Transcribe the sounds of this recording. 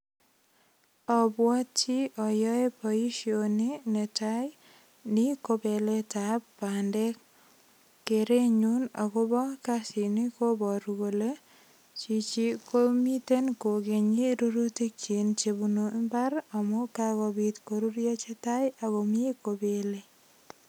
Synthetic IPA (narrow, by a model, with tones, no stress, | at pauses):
ɔ˨bwɔ˦tt͡ʃi˦ɔ˨jɔ˦e˦pɔi˦ʃionine˨taj | nɪkobe˨le˦tapːandɛ˦k̚ | kːeɾe˦ɲu˦na̰˨ko˦bɔ˦kasi˨ni˦ko˦bɔ˨ɾuɡo˨le˦ | t͡ʃi˨t͡ʃi˦komi˦te˦nko˨ɡe˨ɲi˦ɾo˦ɾu˦ti˦kt͡ʃi˨nt͡ʃebuno˦mba˦ɾa˨mɔ˦kakɔ˨bitkoɾu˦ɾjo˦t͡ʃe˦ta˦ja˨ɣo˨m˦e˦kobe˨le˦